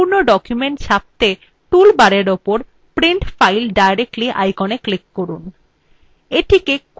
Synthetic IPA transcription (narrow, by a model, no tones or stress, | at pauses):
uɾnoɖɔkjumeɳʈʃʰap̚t̪e | ʈulbaɾeɾopoɾ | pɾiɳʈfajlɖajɾek̚ʈliʔa̰jkɔneklikːoɾun | eʈʰikek